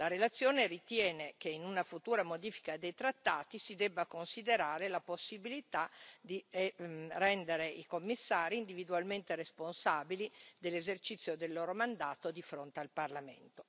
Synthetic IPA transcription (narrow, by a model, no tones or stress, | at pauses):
laɾelat̪sːjoːnerit̪jɛːnekeinunafut̪uːɾamod̪iːfi̥kad̪ejt̪ɾat̪ːaːt̪isid̪ɛbːakonsid̪eɾaːɾelaposːibilit̪ad̪i | rɛnd̪eɾeikomːisːaːɾiːnd̪ivid̪ualment̪eresponsaːbilid̪elːezert͡ʃit̪sːjod̪elːoːɾomand̪aːt̪od̪ifɾont̪ealparlamḛnt̪o̥